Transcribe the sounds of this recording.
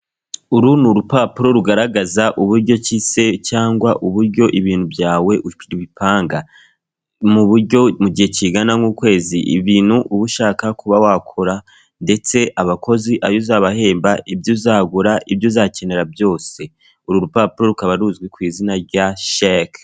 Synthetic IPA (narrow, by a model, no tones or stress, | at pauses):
uɾunuɾupapuɾo̞ɾuɡaɾaɡazaʔuβuɾɟo̞cise̞caːŋɡwaʔuβuɾɟo̞ʔiβiːnhubjaːwe̞uɾiβipʰaːŋɡa | muβuɾɟo̞muɟiheciɡanaŋuːkwe̞ːziʔḭβiːnhuʔuβuʃaːkakuβawakʰoɾa | nde̞t͡se̞ʔaβakʰo̞ziʔajozaβahe̞ːmbaibjuzaːɡuɾaʔibjozace̞ne̞ɾabjo̞ːse̞ | uɾuɾupaːpuɾo̞ɾukaβaɾuzɡwikwiːzinaɾɟaʃak